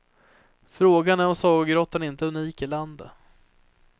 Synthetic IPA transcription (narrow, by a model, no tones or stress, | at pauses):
fɾoːɡanæɾɔsɑːɡɡɾɔt̪ːənɪnt̪əɵniːkɪland̪ə